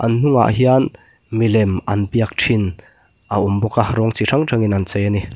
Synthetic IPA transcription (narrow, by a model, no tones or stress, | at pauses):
ʔɐnn̥ʊŋa̰ʔɦian | milɛmʔɐnpiɐk̚ʈʰin | ʔaʔumbɔkaɾɔŋt͡siraŋʈ͡ʂʰaŋinɐnt͡sɛjani